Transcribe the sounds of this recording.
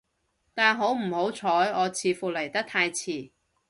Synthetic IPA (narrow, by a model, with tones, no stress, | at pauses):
t̪aː˨nɦo˨˥wm̩˨˩ho˨˥wt͡sʰɔː˨˥jɔː˨˧t͡sʰiː˧fuː˨le˨˩jt̪ɐ˥k̚t̪ʰaː˧jt͡sʰiː˨˩